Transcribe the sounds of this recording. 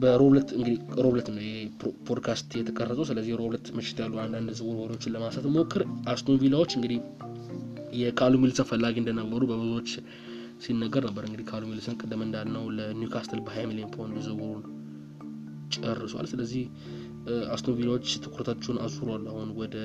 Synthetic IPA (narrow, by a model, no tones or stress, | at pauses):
bəɾo̞βlət̪ɨŋɡɨd̪iɾo̞βlət̪ɨnːəwjɛepʰod̪kʰast̪jɛt̪ʰəkʼərːəsʼəwsɨləzːihjɛɾo̞βlət̪məʃɪ̥t̪jalːuand̪and̪zɨβuɾhoɾot͡ʃːɪnləmasat̪mokʰːɨɾʔast̪onvilawo̞t͡ʃːɨŋɡɨd̪ih | jɛkʰalumilsənfəlːaɡiɨnd̪ənəbːəɾubəbɨzot͡ʃː | sinːəɡːəɾnəbːəɾɨŋɡɨd̪ihkʰalumilsɨnkʼɨd̪ːɨmɨnd̪alnəwlənjukʰast̪ʰəlbəɦajmilijenpʰojnd̪zɨwuɾun | t͡ʃʼərːɨswa̰lsɨləzːih | ast̪ovilawot͡ʃːt̪ʰɨkʰuɾət̪ʰat͡ʃːɛwnʔa̰zuɾalːahunwɔd̪ə